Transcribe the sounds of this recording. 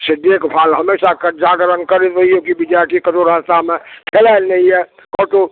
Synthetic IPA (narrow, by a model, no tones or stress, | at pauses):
sɪd̪ekpʰaːlɦɐmeːʃakəd͡ʒaːɡɾəŋɡkəɾet̪ɐɦiokibɪd͡ʒaːɾʈikəʈoɾaːd͡ʒt̪amẽk̪ʰelaɪlnəɦiɛ | kɔːʈo